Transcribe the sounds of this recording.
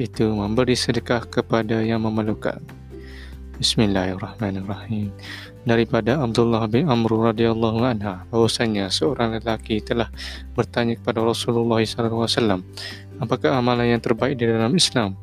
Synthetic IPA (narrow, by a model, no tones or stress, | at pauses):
it̪uməmbəɾisədəkahkəpadajaŋməməluka̰n | bismilːaharːɑhmanarˤːɑhim | daɾipadaab̚d̪ulːahbɪnamɾurɑdialˤːɑɦuanɦabawasaɲasəoɾaŋləlakit̪əlahbərt̪aɲakə̥padaɾɔsululːɑɦisalawasalːam | apakaɦamalanjaŋt̪ərbaik̚didalamislam